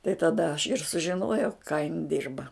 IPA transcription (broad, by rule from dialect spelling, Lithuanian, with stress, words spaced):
tɐɪ tɐˈdɐ ɐʃ ɪr sʊʒʲɪˈnoːjɛʊ kɑː jɪn ˈdʲɪrbɐ